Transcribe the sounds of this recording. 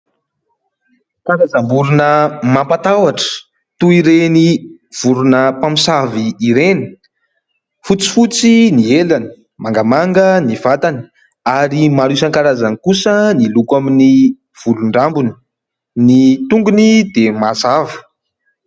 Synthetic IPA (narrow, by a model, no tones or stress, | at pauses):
kaɾazambuɾunəmampat̪awaʈ͡ʂə̥ | t̪uiɾeniv̥uɾunəpamisaviːɾeni̥ | fut͡si̥fut͡sinielanə̥ | maŋɡamaŋɡənivat̪anə | aɾimaɾusaŋkaɾazanikusənilukwamini | v̥uluɳɖ͡ʐambuni̥ | nit̪uŋɡunid̪emasavə̥